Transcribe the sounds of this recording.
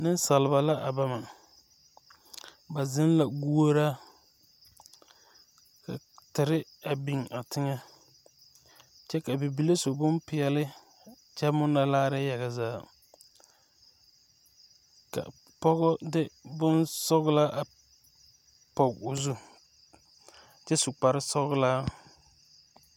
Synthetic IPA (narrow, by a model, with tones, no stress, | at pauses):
nɪ˦n˦sa˨lɪ˨ba˨la˦ʔa˨ba˦ma˨ | ba˨zɪ˦n˦la˨ɡu˦o˦ɾa˦ | ka̰˨ | tɪ˨ɾɪ˦a˨bi˨ŋa˨tʰɪ˦ŋa˦ | t͡ʃɛ˦ka˨bi˨bi˨le˦so˨bʊ˦mpɪ˨ɛ˨lɪ˦ | t͡ʃɛ˦mʊ˦na˨laː˦ɾɪ˦ja˨ɣa˨zaː˦ | ka̰˨ | pɔ˦ɣɔ˦dɪ˦bʊ˦nsɔ˦ɣla˦ʔa˨ | pɔ˨ɡʊ˨zu˦ | t͡ʃɛ˦sʊ˨k͡pa˨ɾɪ˦sɔ˦ɣlaː˦